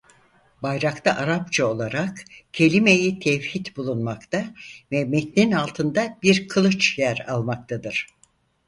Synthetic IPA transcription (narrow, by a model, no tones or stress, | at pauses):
bajɾakt̪ʰaʔaɾap̚t͡ʃʰao̞lˠaɾakcʰe̞lʲimejit̪ʰɛfhit̪bulˠunmakt̪ʰavɛmɛt̪ninalˠt̪ʰɯnd̪abiɾkʰɯlˠɯt͡ʃjæɾa̰lˠmak̚t̪ʰad̪ɯɾ̥